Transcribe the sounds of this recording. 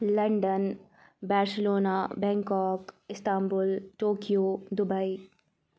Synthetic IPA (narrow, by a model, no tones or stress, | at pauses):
lɐ̃ɳɖən | bɛːɾsɪloːnabɛ̃ːŋkɔːkɪst̪aːmbʊlʈoːkijoːd̪ʊbəi